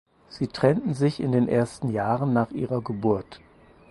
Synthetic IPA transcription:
z̥iːtʁ̥ɛntn̩zɪçɪ̰ndeːnʔeːɐstn̩jaːʁənːaːχʔḭːʁɐɡəbʊɐt

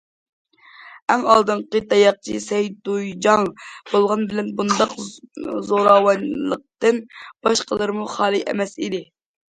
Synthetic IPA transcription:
ɛŋɑlˠd̪ɨnqət̪ɑjɑq̚t͡ʃʰisɛjd̪ujd͡ʒɑŋb̥olˠʁɑnbɪlɛnbund̪ɑqzoɾɑwɑnlˠəq̚t̪ɨnb̥ɑʃqəlˠɨɾɨmuχɑːlˠɨʔɛ̰mɛsid̪ɪ

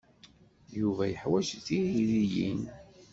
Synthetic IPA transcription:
juvæjəħwæʃθiiɾijḭn

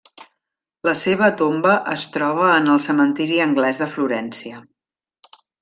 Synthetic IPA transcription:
ləseβ̞ət̪ombəʔəst̪ɾɔβ̞əːnəlˠsəmənt̪iɾiəŋɡlɛzðəfluɾɛnsiə

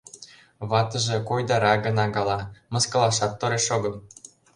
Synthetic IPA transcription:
βɑt̪ə̆ʒĕkojd̪ɑɾɑɡɤ̆nɑɡɑlɑmɤ̆skɤ̆lˠɑʃɑt̪ːoɾeʃoɡɤ̆m

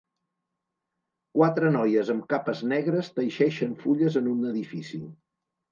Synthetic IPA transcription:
kwat̪ɾənɔjəzəmkapəznɛɣɾəst̪əjʃɛʃənfuʎəzənunəðifisi

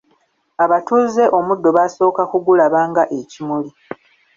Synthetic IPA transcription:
aβatuːze̞ʔo̞mudːo̞βaːso̞ːkakuɡulaβaːŋɡaʔe̞cimuli

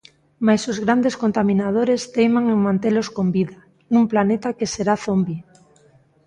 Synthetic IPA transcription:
majsozɣ̞ɾand̪eskont̪amĩnað̞oɾest̪ejmaŋeŋmãnt̪eloskombiða | nũmplanet̪akeseɾaθombi

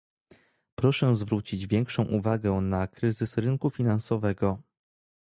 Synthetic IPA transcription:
pɾɔʂɛzvɾut͡ɕid͡ʑvʲjɛŋkʂɔ̃w̃ʔuvaɡɛnakɾɘzɘsɾɘnkufʲinansɔvɛɡɔ

